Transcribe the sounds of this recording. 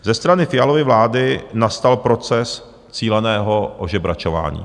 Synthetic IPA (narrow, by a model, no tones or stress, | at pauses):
zɛst̪ɾanɪfɪjalo̞vɪvlaːdɪnast̪alpɾo̞t͡sɛs | t͡siːlɛnɛːɦoʔoʒɛbɾa̰t͡ʃova̰ːɲḭː